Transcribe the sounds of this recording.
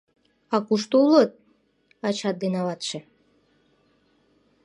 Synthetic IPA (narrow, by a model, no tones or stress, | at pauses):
ɑkuʃt̪ulət̪̚ | ɑt͡ɕɑt̪̚d̪enɑβɑt̪ʃe